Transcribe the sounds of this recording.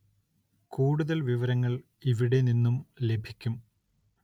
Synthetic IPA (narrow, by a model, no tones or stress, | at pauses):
kuːɽuðɐlʋiʋɐɾɐŋːɐɭ | iʋiɽe̞ninːumle̞bʱikʲːum